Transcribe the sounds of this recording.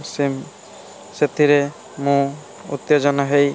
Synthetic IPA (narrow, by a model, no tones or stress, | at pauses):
sim | set̪iɾe | mũ | ṵt̪jod͡ʒɔnaɦej